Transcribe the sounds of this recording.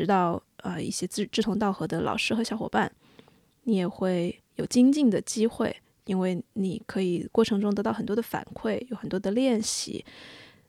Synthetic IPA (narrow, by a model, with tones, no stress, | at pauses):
ɻ̩˧˥t̪ɑ˥˧ʊə˧ḭ˥˩ɕjɛ˥˧ʈ͡ʂɻ̩˥˩t̪ʰʊ˧˥ŋt̪ɑ˥˩ʊxɤ˧˥d̪ə˧lʔɑ̰˨˩ʊʂɻ̩˥xɤ˧˥ɕjɑ˧˥ʊxwɔ̰˨˩pa˥˩n | ni˧˥jɛ˨˩xwe˥˩ɪ | jo˨˩ʊt͡ɕi˥ŋt͡ɕi˥˩ŋd̪ə˩t͡ɕi˥xwe˥˩ɪ | i˥nwe˥˩ɪni˨˩kʰɤ˧˥i˨˩kwɔ˥˩ʈ͡ʂʰɤ˧˥ŋʈ͡ʂʊ˥ŋt̪ɤ˧˥t̪ɑ˥˩xə˨˩nt̪wɔ˥ə˨˩fa̰˨˩nkʰwe˥˩ɪjo˧˥ʊxə˨˩nt̪wɔ˥d̪ə˧ljɛ˥˩nɕḭ˧˩˦